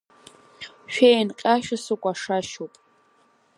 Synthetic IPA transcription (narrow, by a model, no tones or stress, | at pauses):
ʃᶣejnqʲʼaʃasukʷʼaʂaʃopʼ